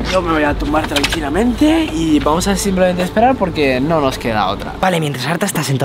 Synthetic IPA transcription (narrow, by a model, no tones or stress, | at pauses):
jomeβojat̪umbaɾt̪ɾaŋkilamẽ̞nt̪eiβamo̞sasimplement̪eːspeɾaɾpo̞ɾkeno̞no̞ske̞ða̰o̰t̪ɾa̰b̥alemjent̪ɾasaɾt̪aest̪asent̪